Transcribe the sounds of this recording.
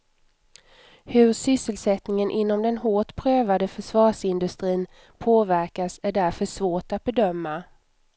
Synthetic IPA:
hɵɾʂʏsːəlsɛt̪nɪŋənʔɪnːɔmd̪ɛnɦoːʈpʰɾøːvad̪əfœʂvɑːʂɪnd̪ɵst̪ɾiːn | pʰoːvæɾkasæɖæɾfœʂvoːʈat̪̚bɛd̪œmːa

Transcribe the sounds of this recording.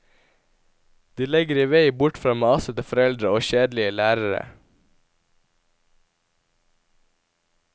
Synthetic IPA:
d̪̥iːlɛɡəɾiːʋeɪbʊʈfɾɑːmeːɑsət̪ɪfɔɾɛld̪ɾəoːʃeːd̪lɪəlæːɾəɾə̰

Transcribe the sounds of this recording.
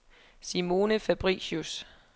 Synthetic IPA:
simo̝ːnəfæb̥ʁḭːɕus

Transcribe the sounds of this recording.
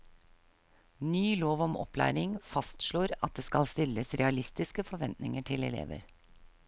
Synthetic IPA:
nyːloːʋɔmɔ̰plæ̰ːɾɪŋfɑst̪ʃɭoːɾɑt̪̚d̪eːskɑlst̪ɪlːəsɾɛɑlɪst̪ɪskəfɔɾʋɛnt̪nɪŋəʈʰɪlɛlḛːʋə̰ɾ

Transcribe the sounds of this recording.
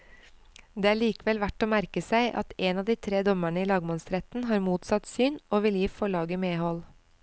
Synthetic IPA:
d̪eːæːɭiːkəʋɛlʋæʈoːmæɾkəsæɪʔɑ̰t̪eːnɑːd̪iːt̪ʰɾeːd̪ɔməɳəiːlɑːɡmɑnsɾɛt̪n̩ɦɑːɾmuːt̪sɑt̪syːnʔoːʋɪljiːfɔɭɑːɡəmeːhɔl

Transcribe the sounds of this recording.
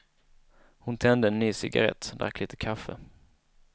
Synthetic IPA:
hʊnt̪ʰɛnd̪əɛnːyːsɪɡa̰ɾɛ̰t̪ːd̪a̰kʰːlɪːt̪ːəkʰafːə̰

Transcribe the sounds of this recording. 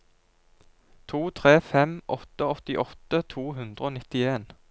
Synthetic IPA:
t̪ʰuːt̪ʰʁeːfɛmʔɔt̪əɔt̪ɪʔɔt̪ət̪ʰuːɦʉnd̪ʁəoːnɪt̪ɪeːn

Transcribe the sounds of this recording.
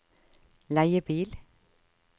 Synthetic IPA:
læɪəbiːl

